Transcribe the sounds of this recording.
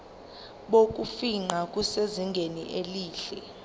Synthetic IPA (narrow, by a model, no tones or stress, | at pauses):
ɓok̬ʼufiŋ͡ǃakʼuseziŋɡʱenḭʔeliːɬɛ